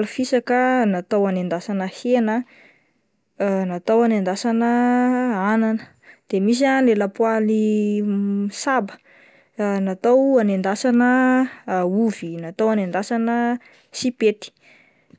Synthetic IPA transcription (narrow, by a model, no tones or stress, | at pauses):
lufisakənat̪awanend̪asanəhenə | nat̪awanand̪asanə | ananə̥ | d̪̥emis̬aleləpwali | misabə̥ | nat̪awanend̪asanə | uvinat̪awanend̪asanə | sipet̪i̥